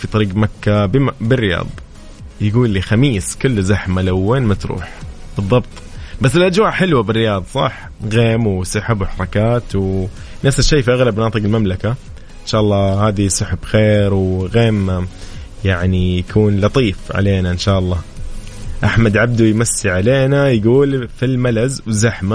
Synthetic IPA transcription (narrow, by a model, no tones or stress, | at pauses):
fit̪ˤɑɾiːqɡmakːabbɪrːɪjɑ̰ːd̪ˤɑ | jɡuːlːiːxamiːskʊlːzaħmalawːenmat̪ɾṵːħ | b̥ɨðˤːɑbt̪ˤbasːɪlʔad͡ʒwaːʔħɪlwabɪrːɪjɑːðˤɑsˤɑ̰ħ | ɣeːmwsɑħɪbwɪħɑɾˤɑkaːt̪w | nafsɪʃːeːfiʔaɣlabnɑːt̪ˤɨqɪlmamlaka | ʔɪnʃaːʔɑlˤːɑːhaːd̪isˤʊħɪbxeːɾwɣeːm | jaʕnijakʰuːnlɑt̪ˤiːfʕa̰leːnaʔɪnʃaːʔɑlˤːɑː | ʔaħmad̪ʕab̚d̪ujmasːiʕaleːnajɡuːlfilmalazwzaħma